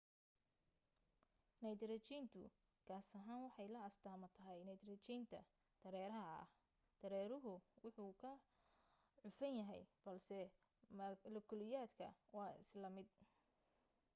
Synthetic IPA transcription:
nɐjd̪ɾɐt͡ʃiːnt̪ʰʊ̰ | kʰaːsɐɦaːnwɑħɑjlɐɐst̪ʰaːmɐt̪ʰɐɦɛjnɐjd̪rɐt͡ʃiːnt̪ʰɐ | d̪̥ɐɾɛːɾɐɦɐɐ̰ | d̪̥ɐɾɛːɾʊɦʊwʊħuːkʰɐ | ʕʊfɐnjɐɦɛ̰jb̥ɐlsɛ | mlɐkʰɔlɪjaːd̪kʰɐ̰wɑːɪ̰slɐmɪd̪̚

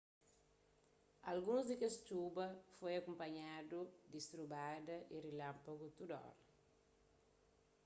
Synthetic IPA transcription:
alɡũnzd̪ɪkest͡ʃubɐfojɐkumpɐɲad̪ud̪ist̪ɾubad̪ɐʔirilãmpaɡut̪ud̪ɔ̰ɾɐ

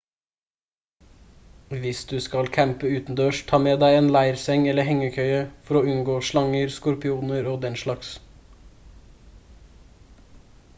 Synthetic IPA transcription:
ʋɪsd̪ʉːskɑlkʰæmpəʉːt̪n̩d̪øːʃt̪ʰɑːmeːd̪æɪeːnlæɪɾsɛŋɛləhɛŋəkʰœʏəfɔɾoːʉnɡoːʃlɑŋəɾskʊɾpɪuːnəɾoːd̪ɛnʃlɑks

